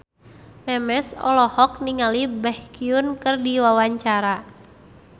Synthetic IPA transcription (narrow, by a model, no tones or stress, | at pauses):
mɛmɛsɔ̰lɔhɔk̚niŋalibɛhkiunkɨrdiwawaɲt͡ʃaɾa